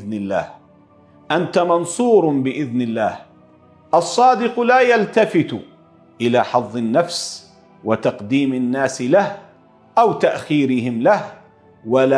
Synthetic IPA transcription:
nɪlːa̰ːh | ʔant̪amɑnsˤuːɾbɪʔɪðnɪlːaːh | ʔɑsˤːɑːd̪ɪqʊlaːjalt̪afɪt̪ | ʔɪlaːħɑðˤːɪnːafs | wat̪ɑqd̪iːmanːaːsɪlah | ʔawt̪aʔxiːɾɪhɪmlah | wala

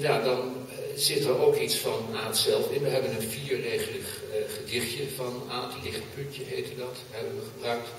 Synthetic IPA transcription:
jaːdɑn | zɪtəɹowkitsfɑnaːtsɛlˠfɪnʋəɦɛbənənviːɹreːχələkχədɪχtjəvɑnaːtʰlɪχtpɵntəɦeɪtədɑt | ɦɛbənʋəχəbrœɥk̚t

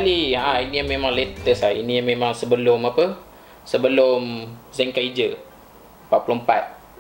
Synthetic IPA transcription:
aliaãinijamẽmãŋlet̪əsainĩjamẽmãŋsəbəlʊmapə | səbəlʊmzɛŋkaid͡ʒə | mpapulompat̪̚

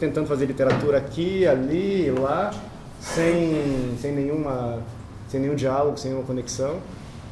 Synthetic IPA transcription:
t̪ẽnt̪ɐ̃d̪ʊfazeɾlit̪eɾat̪uɾɐakialiːla | sẽj̃sẽj̃nẽj̃ũmɐ | sẽnẽjũd͡ʒialoɡʊsẽj̃ũmɐkõneksɐ̃w̃

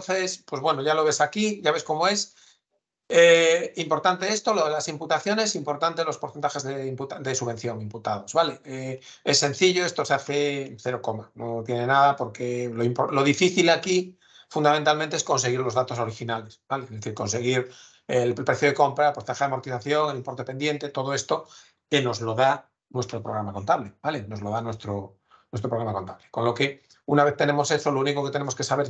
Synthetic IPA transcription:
onθespwe̞zβwe̞no̞ʝalo̞β̞e̞sakiʝaβe̞sko̞moe̞s | eimpoɾt̪ant̪e̞est̪o̞loðelasimput̪aθjo̞ne̞simpo̞ɾt̪ant̪e̞lo̞spoɾθent̪axe̞zðeimput̪ad̪e̞suβe̞n̟θjo̞ŋimput̪að̞o̞zβale̞e | esːe̞nθiʎo̞e̞st̪o̞seaθeθe̞ɾo̞ko̞mano̞t̪je̞ne̞naðapo̞ɾke̞loimpolo̞ð̞ifiθilaki | fund̪amẽnt̪almẽnt̪eesko̞nse̞ɣ̞iɾlo̞zðat̪o̞so̞ɾixinale̞sbaleezðeθiɾko̞nse̞ɣ̞iɾ | elpɾeθjo̞ðe̞ko̞mpɾapost̪axaðmoɾt̪inaθjo̞ŋe̞limpo̞ɾt̪epe̞nd̪jẽ̞nt̪e̞t̪o̞ð̞o̞e̞st̪o̞ | keno̞zlo̞ða | nwe̞st̪ɾo̞pɾo̞ɣɾamako̞nt̪aβlebale̞no̞zlo̞ðanwe̞st̪ɾo | nwest̪ɾopɾɣɾamako̞nt̪aβleko̞nlo̞ke̞ | unaβe̞θt̪e̞ne̞mo̞se̞solouniko̞ke̞t̪enemoke̞saβe̞ɾ

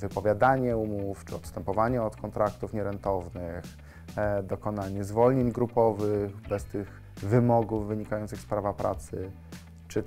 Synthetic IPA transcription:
vɘpɔvʲjad̪aɲɛumuft͡ʂɘɔt̪st̪ɛmpɔvaɲɛɔt̪kɔnt̪ɾak̚t̪ufɲɛɾɛnt̪ɔvnɘx | d̪ɔkɔnaɲɛzvɔlɲeɲɡɾupɔvɘxbɛst̪ɘɣ | vɘmɔɡuvːɘɲikajɔnt̪sɘxspɾavapɾʔa̰t̪sɘ | t͡ʂɘ

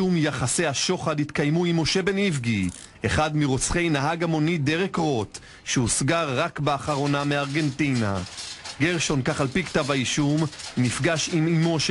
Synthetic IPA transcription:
umjaχasejhaʃo̞χadhit̪kajmuimːo̞ʃe̞be̞nivɡi | eχad̪miʁo̞t͡sχe̞jnaɦaɡamo̞nid̪e̞ʁekʁo̞t | ʃeusɡaʁːakbeaχaʁo̞nameaʁɡe̞ntina̰ɡeʁʃo̞nkaχalpikt̪avaiʃumnifɡaʃimimo̞ʃ

